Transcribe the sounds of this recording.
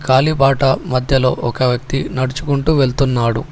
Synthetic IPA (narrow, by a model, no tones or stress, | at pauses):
kaːlibaːʈɐmɐd̪ʱjɐlo̞̰ːʔɔkɐʋjɐk̚t̪inɐɽut͡ʃukuɳʈuʋe̞ɭt̪unːaːɽu